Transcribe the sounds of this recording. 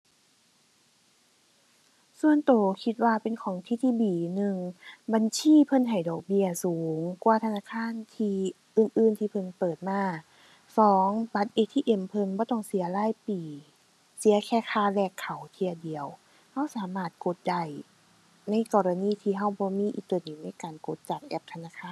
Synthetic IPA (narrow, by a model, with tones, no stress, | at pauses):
su˧˨ənt̪oː˨˩kʰi˧t̪̚waː˧pe˨nkʰɔː˨˦ŋt̪ʰiː˧t̪ʰiː˧˨biː˨˩nɯ˨˧ŋba˧˨nsʰiː˧˥˨pʰɤ˧˥˨nɦa˨˩jdɔː˨˩k̚bi˧ɐsuː˨˦ŋkwaː˧˩t̪ʰa˧naː˧˥˨kʰaː˧˥˨nt̪ʰiː˧ | ʔɯː˨˩˨nʔɯː˧˨nt̪ʰiː˧pʰɤ˧˥˨npɤː˨˩t̪̚maː˧˥˩ | sɔː˨˦ŋba˧t̪̚ʔeː˧t̪ʰiː˧ʔe˧˩mpʰɤ˧˥˨nbɔː˧˦t̪ɔ˧˩ŋsi˨˦ɐlaː˧˥˨jpiː˨˩ | si˨˦ɐkʰɛː˧˩kʰaː˧˩lɛː˧˩kʰːa˨˩wt̪ʰi˧ədi˨˩əw | ha˧˥˩wsaː˨˦maː˧˩t̪̚ko˧˦t̪̚da˧˩j | na˧˥˨jkɔː˧˩ɾa˧niː˧˩˨t̪ʰiː˧ɦa˧˩wbɔː˧˦miː˧˥ʔḭː˧˩t̪ɤː˧˩niː˨˩na˧˥˨jkaː˨˩nko˧˦t̪̚t͡ɕaː˨˩k̚ʔɛ˧˥p̚t̪ʰa˧naː˧˥˩kʰaː˧˥˨